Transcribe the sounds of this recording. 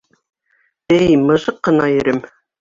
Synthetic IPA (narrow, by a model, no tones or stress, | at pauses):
ɘjmɤ̆ʒɤqːɤ̆nɑjɵ̆ɾɘm